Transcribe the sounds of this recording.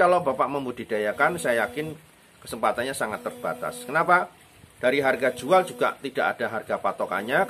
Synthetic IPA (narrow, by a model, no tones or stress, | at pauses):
alobapaʔməmbud̥i̤d̥ajakansajajakɪn | kəsəmpat̪anɲasaŋat̪ːərb̥at̪a̰skənapa | d̥aɾiɦarɡḁd͡ʒuald͡ʒuɡa̰ʔt̪id̥aʔad̥aɦarɡapat̪oka̰ɲa